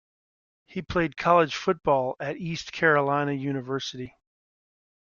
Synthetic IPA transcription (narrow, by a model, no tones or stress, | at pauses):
hipʰl̥eɪd̚kʰɑlˠəd̥ʒ̥fʊt̚b̥ɔlˠɨɾiskʰɛɹəlãɪ̃ñɨjʉñɨvɜ˞sɨɾi